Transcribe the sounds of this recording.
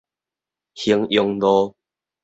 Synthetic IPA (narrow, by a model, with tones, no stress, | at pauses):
hi˧əŋjɔ˧ŋlɔ˦